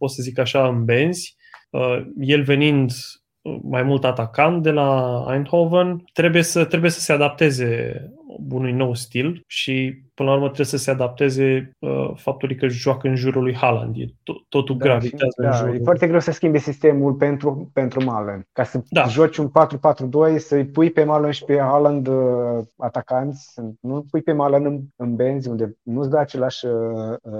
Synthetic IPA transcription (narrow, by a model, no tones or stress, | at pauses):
possəzikaʃaɨnbe̞nz̥ʲ | əje̞lve̞nind̪ | ə̰majmult̪at̪akant̪̚d̪e̞laa̰jnt̪hovənt̪ɾe̞buje̞sət̪ɾe̞bujesə̥se̞ad̪ap̚t̪e̞ze̞ | unujno̞wst̪ilʃipɨnlaurmət̪ɾebesəse̞ad̪ap̚t̪e̞ze̞ə̰fap̚t̪ulujkəʒoakəɨnʒuɾulujhala̰nd̪jḛot̪ːo̞t̪ud̪ɡɾaviazəd̪aʒujefoart̪e̞ɡɾe̞wsəskʲimbesist̪e̞mulpe̞nt̪ɾupe̞nt̪ɾumalənd̪kasəd̪aʒat͡ʃunpat̪ɾupat̪ɾud̪o̞jsəjpujpe̞malənʃi̥pe̞haland̪ | at̪akant̪sʲənupujpe̞maland̪ɨnɨnbe̞nzʲund̪e̞nusd̪əat͡ʃe̞laʃəə